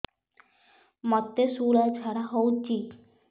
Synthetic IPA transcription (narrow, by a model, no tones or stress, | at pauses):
mɔt̪ːesuɽat͡ɕʰaɽaɦowt͡ɕi